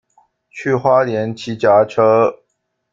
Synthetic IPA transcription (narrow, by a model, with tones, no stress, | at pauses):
t͡ɕʰy˥˧˩xwa˥ljɛ˨˧˥nt͡ɕʰi˧˥t͡ɕja˧˥ʈ͡ʂʰɤ˥